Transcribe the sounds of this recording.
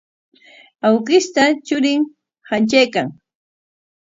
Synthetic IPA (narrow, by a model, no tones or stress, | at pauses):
awɢɪst̪at͡ʃʊɾɪŋ | hant͡ʃajkaŋ